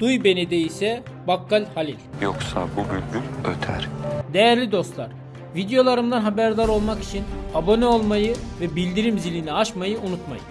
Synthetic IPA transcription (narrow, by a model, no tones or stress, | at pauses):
d̪̥ujbe̞ned̪ɛisɛ | bakːalʲhalʲilʲjoksa̰bubylʲɡyløt̪ʰæ̰ɾ̥d̪e̞jæɾlʲid̪o̞st̪lˠaɾ̥ | vid̪ejo̞lˠaɾɯmd̪anɦabæɾd̪aɾo̞lˠmaki̥t͡ʃʰinabo̞nɛo̞lˠmajɯvɛbilʲd̪iɾimzilʲiniaʃmajɯʔunut̪ma̰jɯ̰